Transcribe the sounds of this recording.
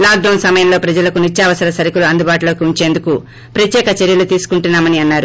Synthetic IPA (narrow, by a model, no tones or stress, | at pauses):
laːk̚ɖɐwnsɐmɐjɐmlo̞ːpɾɐd͡ʒɐlɐkunit͡ʃʃjaːʋɐsɐɾɐsɐɾikuluɐnd̪ubaːʈulo̞ːkiuɲt͡ʃe̞ːnd̪uku | pɾɐt̪jɛːkɐt͡ʃeɾjɐlut̪iːsu̥kuɳʈunːaːmɐniɐnːaːɾu